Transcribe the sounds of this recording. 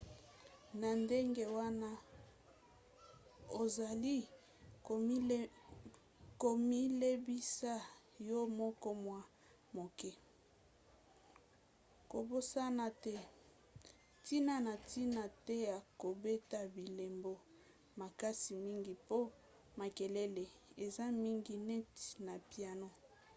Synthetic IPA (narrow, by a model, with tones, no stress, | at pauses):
na˨nde˦ŋɡe˦wa˦na˦ | o˨za˨li˦˨˦ | ko˨mi˦le˦bi˦sa˦ | jo˦mɔ˦kɔ˦mwa˦ | mo˨kɛ˦ | ko˨bo˦sa˦na˦tɛ˦ | ti˦na˦na˨ti˦na˨tɛ˦ja˨ko˨be˦ta˦bi˨le˨mbo˦ | ma˨ka˦si˨mi˦ŋɡi˨po˦ | ma˨ke˨le˦le˨e˨za˦mi˦ŋɡi˦nɛ˦tna˨pja˨no˦